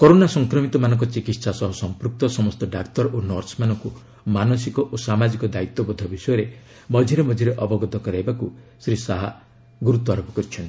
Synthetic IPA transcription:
kɔɾonasɔŋkɾɔmit̪ɔmanɔŋk̬ɔt͡ʃikit̪sasɔɦɔsɔmpɾuk̚t̪ɔsɔmɔst̪ɔɖakt̪ɔɾʔonɔɾsmanɔŋku | manɔsikɔʔosamad͡ʒikɔd̪ait̪ːɔbɔd̪ʱɔbisɔjɔɾe | mɔd͡ʒʱiɾemɔd͡ʒʱiɾeʔɔbɔɡɔt̪ɔkɔɾajbakusɾisaɦa | ɡuɾut̪ɔaɾɔbɔkɔɾit͡ʃʰɔɳʈi̥

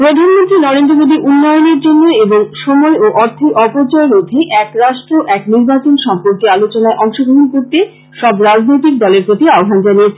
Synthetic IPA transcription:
pɾod̪ʱanmont̪ɾinɔɾend̪ɾomod̪iʔunːɔjoneɾd͡ʑonːoeboŋʃomɔeoʔɔɾt̪ʰiʔɔpot͡ɕɔeɾod̪ʱeʔɛkɾaʃʈɾoʔɛkniɾbat͡ɕonʃɔmpoɾkealot͡ɕonaeʔɔŋʃobɾoɦonkoɾt̪e | ʃɔbɾad͡ʑnojt̪̬ik̚d̪ɔleɾpɾot̪iaoɦand͡ʑaniet͡ɕʰe

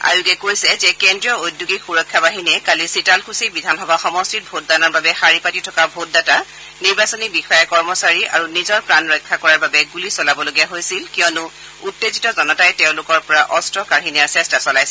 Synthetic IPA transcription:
a̰juɡɛkojsɛzɛkɛndɹijɔojdjuɡixuɹɔkʰːabaɦinɛkalisitalkʰusibidʱanxɔbʱaxɔmɔstit̚bʱot̚danɔɹbabɛxaɹipatitʰɔkabʱot̚data | niɹbasɔnibixɔjɛkɔɹmɔsaɹiʔa̰ɹunizɔɹpɹanɹɔjkʰːakɔɹaɹbabɛɡulisɔlabɔloɡiaɦojsilkijɔnʊ | utːezitɔzɔnɔtajtɛʊ̃lʊkɔɹpɔɹaʔɔstɹɔkaɹɦinijaɹsɛstasɔlajsɛ

